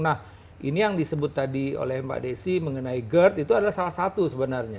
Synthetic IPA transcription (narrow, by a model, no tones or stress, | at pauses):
nah | ʔinijaŋdisəbʊt̪ːadio̰lɛhmba̰ʔdesiməŋənaiɡərt̪it̪uadalahsalahsat̪usəbənarɲa